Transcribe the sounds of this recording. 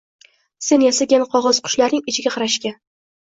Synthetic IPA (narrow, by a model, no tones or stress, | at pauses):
se̞njasaɡʲanqʰɒʁɒz̥qʰʊ̥ʃlaɾnɪŋɪt͡ʃʰɪɡʲaqʰɑɾaʃkʲa